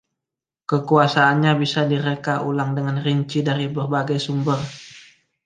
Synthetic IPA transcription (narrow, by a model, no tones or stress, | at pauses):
kəkuasaːnɲabisadiɾəkaʔulaŋdəŋanriɲt͡ʃidaɾibərbaɡajsumbər